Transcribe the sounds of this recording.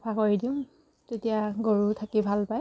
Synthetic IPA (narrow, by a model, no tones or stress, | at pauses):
pʰakoɹidiʊm | tetijaɡoɹutʰakibʱalpaj